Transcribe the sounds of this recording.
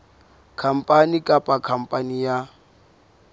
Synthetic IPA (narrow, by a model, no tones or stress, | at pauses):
kʰam̩pʼanikʼapʼakʰam̩pʼanija